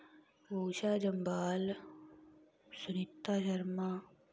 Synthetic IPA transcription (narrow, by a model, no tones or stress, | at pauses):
boːʃaːd͡ʒɐmbaːl | sʊnɪt̪ːaːʃɐɾmaː